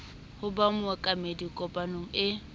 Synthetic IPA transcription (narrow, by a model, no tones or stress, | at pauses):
hʊbamʊakʼamedikʼɔpʼanoŋ̩ɪ